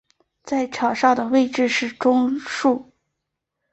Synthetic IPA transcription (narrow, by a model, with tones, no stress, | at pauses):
t͡sa˥˩ɪʈ͡ʂʰɑ˨˩ʊʂɑ˥˩ʊd̪ə˩we˥˧ɪʈ͡ʂɻ̩˥˧ʂɻ̩˥˩ʈ͡ʂʊ˥ŋʂu˥˩